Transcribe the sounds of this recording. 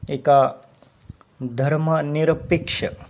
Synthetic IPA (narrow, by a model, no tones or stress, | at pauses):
eka | d̪ʱɐɾməniɾɐpikʂɐ